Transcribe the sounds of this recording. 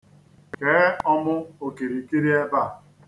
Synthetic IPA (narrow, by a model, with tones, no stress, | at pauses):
keː˨˦ɔ˦mʊ˦o˨ki˨ɾi˨ki˦ɾi˦e˦ba˦˨